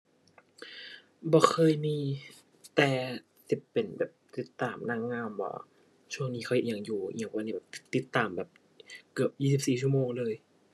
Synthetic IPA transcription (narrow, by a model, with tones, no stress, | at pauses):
bɔː˧˩xʰɤː˧˥˨jmiː˧ | t̪ɛː˨˩ | si˧˩pːe˨˩nbɛː˨˩p̚t̪i˧˦t̪ːaː˨˩mna˧˩˨ŋŋaː˧mbɔ̰ː˧˦ | t͡ɕʰu˥˩əŋniː˧˥xʰa˧˩˨ʔe˧˩˨ja˨˩ŋjṵː˨˩˨wa˧niː˧˩bɛː˨˩t̪i˧˦t̪ːaː˨˩mbɛː˨˩p̚ | kɯ˨˩əp̚jiː˧˩si˨˩p̚siː˨˩t͡ɕʰu˧˥˨moː˧ŋlɤː˧j